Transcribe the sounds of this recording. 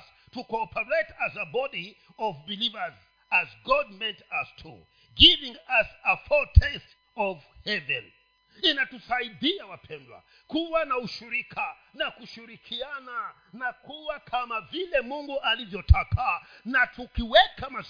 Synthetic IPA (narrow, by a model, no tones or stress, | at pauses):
s | tukɔɔpɛɹetazəbɔdi | ɔvbilivəz | azɡɔd̚mɛntastʰṵ | ɡivĩŋasəfɔtʰɛst | ɔvhɛvɛ̰n | inatusaidiawapʰɛndwa̰ | kuwanauʃiɾikʰa | nakuʃiɾikʰiana | nakuwakʰamavilɛmuŋɡuʔalivjɔtʰakanatʰukiwɛkama